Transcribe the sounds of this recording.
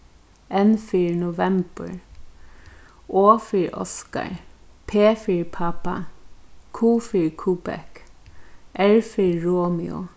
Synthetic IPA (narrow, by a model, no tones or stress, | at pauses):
ɛnfiːɹnʊʋɛmb̥ə̰ɹ | oːfiɹɔ̰ska̰ɹpʰeːfiɹpʰapa̰ | kʰuːfiɹkʰuːbɛ̰k | ʔɛɹfiɹɹoːmɪʊ̰